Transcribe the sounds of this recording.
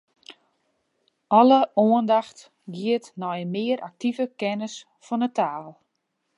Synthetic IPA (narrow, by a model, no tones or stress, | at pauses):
ɔləoəndaxt | ɡiətnɔjəmɪəɾʔak̚tivəkɛnəs | fɔnətʰaːlˠ